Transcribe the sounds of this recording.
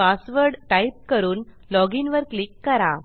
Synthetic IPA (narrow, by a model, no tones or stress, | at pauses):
pasʋəɾɖʈaip̚kəɾuːn | lɔɡinʋəɾklikːəɾa